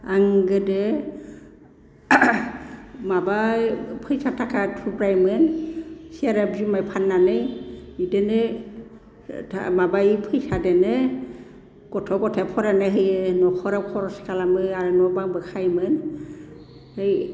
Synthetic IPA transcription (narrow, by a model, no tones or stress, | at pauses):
aŋɡɯde | mabapʰɯjsatʰakʰatʰupɾajmɯnsiaɾabzumajpʰanːanɯjidenɯ | tʰa̰mabajpʰɯjsadɛnɯ | kɔtʰɔkɔtʰepʰɔɾanɯɦɯjnɔkʰɔɾakʰɔɾɔskalamɯaɾɯnɔbaŋbɯkʰajmɯn | hɯj